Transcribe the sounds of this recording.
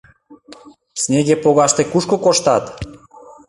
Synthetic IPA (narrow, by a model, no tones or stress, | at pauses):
snʲeɣepoɣɑʃt̪ekuʃkokoʃt̪ɑt̪